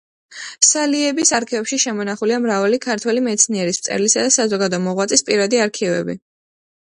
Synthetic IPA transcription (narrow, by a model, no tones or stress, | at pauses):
saliɛbisaɾkʰivɛpʃiʃɛmɔnaχuliamɾavalikʰaɾt̪ʰwɛlimɛt̪sʰniɛɾist̪sʼɛ̰ɾlisad̪asazɔɡad̪ɔmɔʁwat̪sʼispʼiɾad̪iaɾkʰivɛ̰bḭ